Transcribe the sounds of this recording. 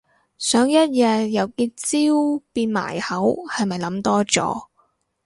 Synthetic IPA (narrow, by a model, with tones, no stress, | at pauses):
sœː˨˥ŋjɐ˥t̚jɐ˧jɐ˨˧wkiː˧t͡siː˥wpiː˧nma̰ː˨˩jhɐ˨˥whɐ˨jmɐ˨jlɐ˨˧˥mt̪ɔː˥t͡sɔ̰ː˨˥